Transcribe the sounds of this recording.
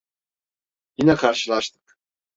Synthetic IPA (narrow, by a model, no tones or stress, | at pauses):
jinɛkʰaɾʃɯlˠaʃt̪ʰɯ̥k